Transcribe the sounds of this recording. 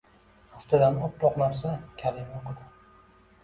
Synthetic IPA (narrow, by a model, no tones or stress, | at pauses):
aft̪ʰɪd̪anɒp̚t̪ɒqnaɾsakʲʰalɪmoqʰɨd̪ɪ